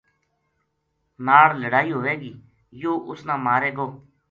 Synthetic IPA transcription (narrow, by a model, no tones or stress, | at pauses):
naːɽləɽaːiːɦoːʋeːɡiː | joːʔʊsnãːmaːɾeːɡoː